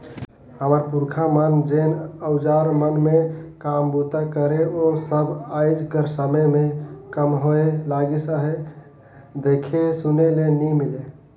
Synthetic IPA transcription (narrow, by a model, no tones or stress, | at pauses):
həməɾpuɾkʰamənd͡ʒenəʊd͡ʒaɾmənmekambut̪akəɾeosəbʱajd͡ʒkəɾsəməjmekəmɦoelaɡisəɦe | d̪ekʰesunelenimile